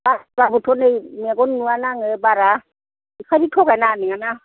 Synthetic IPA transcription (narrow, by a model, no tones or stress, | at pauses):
bababutʰonejmakonnuanaŋɛbaɾa | ikʰaditʰɔkɛnaniŋana